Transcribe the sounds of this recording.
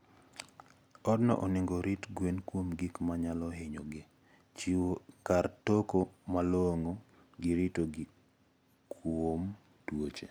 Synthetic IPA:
ɔdnɔ̰ʔɔnɪŋɡoɾitɡwenkwomɡikmaɲalɔɦeɲoɡɪ | t͡ʃiwokartokomalɔoŋo | ɡɪɾɪtoɡik | wom | twot͡ʃe

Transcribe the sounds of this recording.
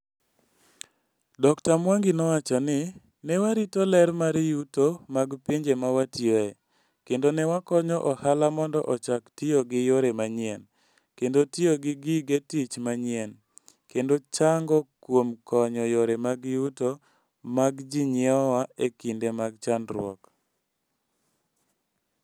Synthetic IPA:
dɔktamwaŋɡɪnɔwat͡ʃanɪ | nɛwaɾitolɛɾmaɾjutomaɡpiɲd͡ʒemawatjoɛ | kendonɛwakɔɲɔʔɔhalamɔndɔʔɔt͡ʃaktioɡɪjoɾemaɲɪɛn | kendotioɡɪɡiɡetit͡ʃmaɲɪɛn | kendot͡ʃaŋɡɔkwomkɔɲɔjoɾemaɡjuto | maɡd͡ʒɪɲɪɔwaekindemaɡ̚t͡ʃandɾwɔ̰k

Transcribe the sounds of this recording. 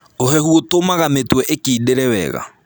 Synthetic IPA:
ohɛhuotomaɣametwɛʔekiːdeɾɛwɛ̰ɣa̰

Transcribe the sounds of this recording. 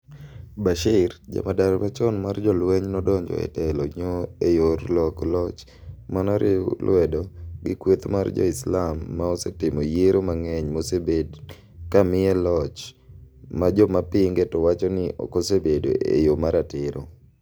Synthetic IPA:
baʃɪɾd͡ʒa̰madaɾɾat͡ʃɔnmard͡ʒɔlweɲnɔdɔɲd͡ʒɔ̰ɛ̰tɛlɔɲoejoɾlɔklɔt͡ʃ | manɔɾʔɪlwɛdɔɡɪkwet̪ma̰rd͡ʒɔ̰ɪslamːaosetɪmojeɾomaŋɛɲmosebed | kamɪɛlɔt͡ʃ | mad͡ʒɔmapiŋɡetɔwat͡ʃɔnɪʔɔ̰kosebedo̰ḛjomaɾatɪɾʔo

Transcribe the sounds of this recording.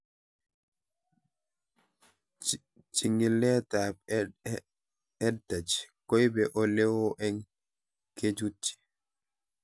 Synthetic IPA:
t͡ʃiŋilːɛtab | ɛdad͡ʒikɔjbɛʔɔlɛwɔʔɛn | ked͡ʒutːi̥

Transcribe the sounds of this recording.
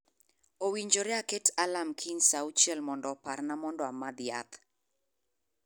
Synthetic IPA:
owiɲd͡ʒoɾɛaketalamkʰinsaut͡ʃɛlmɔndɔpaɾnamɔndɔamaðia̰t̪

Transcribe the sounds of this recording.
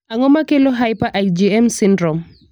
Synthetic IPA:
aŋɔmakeloɦajpaʔad͡ʒiɛmsindɾɔm

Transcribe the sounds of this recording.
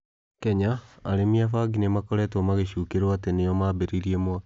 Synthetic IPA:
kɛɲaaɾemiafaɡinemakɔɾɛtɔmaɣeɕuːkeɾwatenejɔmaːbeɾiɾiɛmwa

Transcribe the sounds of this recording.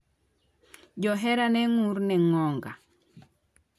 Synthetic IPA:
d͡ʒɔɦɛɾanɛŋuɾnɛŋɔŋɡa̰

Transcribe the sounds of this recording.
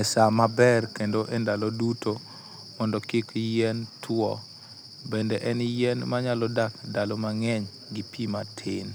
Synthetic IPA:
nɛsamabɛrkendoʔɛndalɔduto | mɔndɔkɪkjɛntʰwɔ | bendɛʔɛnjɛnmaɲalɔdakdalɔmaŋɛɲ | ɡipʰimatʰɪn

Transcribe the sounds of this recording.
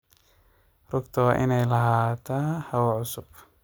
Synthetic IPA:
rʊɡt̪ʰɐwɑʔɪnɛjlɐɦaːt̪ʰahɐwʕʊsʊb

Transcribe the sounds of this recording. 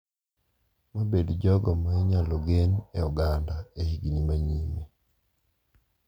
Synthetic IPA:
mabedd͡ʒɔɡɔmaiɲaloɡeneɔɡandaehiɡinimaɲime

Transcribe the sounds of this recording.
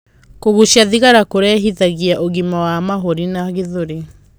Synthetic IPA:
koɣuʃjaðiɣaɾakoɾɛɦiðaɣiaʔoɣimawamaɦoɾinaɣeðoɾe

